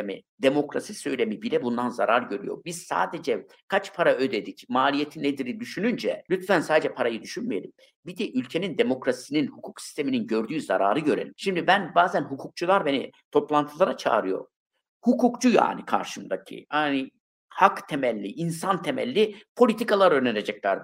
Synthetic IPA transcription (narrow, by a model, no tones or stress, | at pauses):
emḭd̪e̞mo̞kɾasisø̞jlʲe̞mibiɾɛbund̪anza̰ɾaɾɟø̞ɾy̰jo̞̰ɾbiz̥sa̰ːd̪e̞d͡ʒɛ | kʰat͡ʃpʰaɾaø̞d̪e̞d̪icmaːlʲije̞t̪ʰinːed̪iɾid̪yʃynynd͡ʒɛ̰lʲyt̪fænsaːd̪ed͡ʒɛpʰaɾajɯd̪yʃynmije̞̰lʲim | bid̪ɛʔylʲcʰe̞nind̪e̞mo̞kɾasininhukʰuksi̥st̪ʰe̞mininɟø̞ɾd̪yːzaɾaːɾɯɟø̞ɾelʲimʃimd̪ibænbaːzænɦukʰuk̚t͡ʃʰulˠaɾbe̞nḭt̪ʰo̞plˠant̪ʰɯlˠaɾat͡ʃʰa̰ːɾɯjo̞̰ɾ | hukʰukt͡ʃʰuja̰ːnikʰa̰ɾʃɯmd̪acʰḭani | hakt̪ʰemælʲːiʔinsant̪ʰe̞mæ̰lʲːipʰo̞lʲit̪ʰikalˠaɾøneɾed͡ʒɛclʲæɾd̪ɯ